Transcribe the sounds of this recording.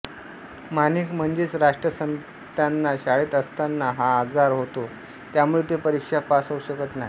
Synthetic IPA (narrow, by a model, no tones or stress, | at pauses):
maniːkm̤əɳd͡ʑeːt͡sɾaʂʈɾəsən | t̪janːaɕaɭiːt̪əst̪anːaɦaːd͡zaɾɦot̪o | t̪jamuɭet̪epəɾikʂapasowɕəkət̪naɦi